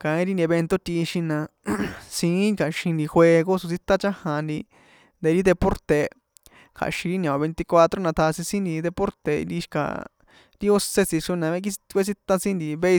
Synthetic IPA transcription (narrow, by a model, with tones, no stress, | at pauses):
kã˧ĩ˦ɾi˦ni˧e˧βe˧nt̪o˦t̪ʲi˧ʃĩ˧nã˧sĩ˧˦kʰa˨ʃĩ˧nd̪i˧xwe˧ɣo˦su˧si˦t̪a˦t͡ʃã˦hã˧nd̪i˧ | nd̪e˧ɾi˦d̪e˧po˦ɾt̪e˨ | kʰa̰˨ʃĩ˧ɾi˦nã˨˧βe˧nt̪i˧kʷa˧t̪ɾo˦nã˧t̪ʰa˧sĩ˧sĩ˦nd̪i˧d̪e˧po˦ɾt̪ḛ˧ni˧ʃka̰˨ | ɾi˦o˦se˦si˧ʂu˦nã˧ẽ˦˧ki˦˧kʷe˦s̬i˦t̪a˦sĩ˦nd̪i˧βe˦˧